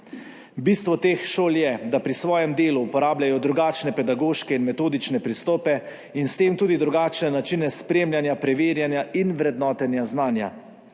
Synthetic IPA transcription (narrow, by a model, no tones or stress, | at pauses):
biːst̪ʋɔt̪eːxʃoːljɛd̪apɾisʋɔːjɛmd̪eːluːpɔɾaːbljajɔd̪ɾuɡaːt͡ʃnɛpɛd̪aɡoːʃkɛinmɛt̪oːd̪it͡ʃnɛpɾist̪ɔːpɛ | inst̪eːmt̪uːd̪id̪ɾuɡaːt͡ʃnɛnat͡ʃiːnɛspɾeːmlʲjanjapɾɛʋeːɾjanjaʔinʋɾɛd̪nɔːt̪ɛnjaznaːnja̰